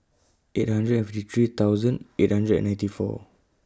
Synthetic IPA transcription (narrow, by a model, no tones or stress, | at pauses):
ʔet̚hãndɹətɛ̃nfɪtit̪ɹit̪awzə̃net̚hãndɹədɛ̰̃nːãj̃ntifɔ̰